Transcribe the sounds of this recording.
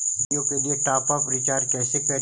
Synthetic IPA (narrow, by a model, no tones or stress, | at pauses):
jõkelieʈaːpaːpɾɪt͡ʃaːɾkɛːsepɛː